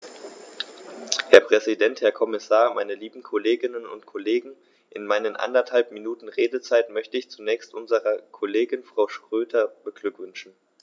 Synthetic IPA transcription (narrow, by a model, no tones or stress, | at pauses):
hɛɐpʁ̥ɛzidɛnthɛɐkʰɔmɪsaːɐmaɪnəliːbm̩kʰoleːɡɪnənʊ̰ntkʰɔleːɡŋ̩ | ʔɪnmaɪnənʔa̰ndɐthalpminuːtn̩ʁeːdət͡saɪtmœçtəɪçt͡sunɛːçstʔʊnzəʁɐkʰoleːɡɪnfʁ̥aʊʃtʁ̥øːtʰɐb̥əɡ̥lʏkv̥ʏnʃn̩